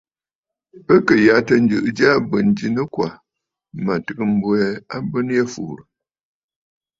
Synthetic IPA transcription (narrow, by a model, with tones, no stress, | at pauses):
pə˦kə˨ja˨˦tə˨n̩˦d͡ʒɨ˨ʔd͡ʒa˦bə˨n˨d͡ʒi˨nə˦kwa˨ | ma˨tɨ˨ɡɨ˨m̩˦bwɛ˦a˦bə˦n˦je˦fṵ˨ɾə˨